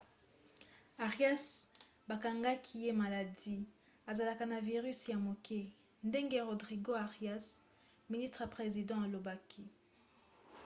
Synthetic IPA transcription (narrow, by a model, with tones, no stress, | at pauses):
a˨ʁja˦sba˨ka˨ŋɡa˦kʰi˦je˦ma˨la˨di˦ | a˨za˨la˨ka˨na˨vi˨ʁy˦sja˨mo˨kʰɛ˦ | nde˦ŋɡe˦ʁo˨dʁi˨ɡo˦a˨ʁja˦s | mi˨ni˦stʁa˨pʁe˨zi˨dɑ̃˦a˨lo˨ba˦kʰi˦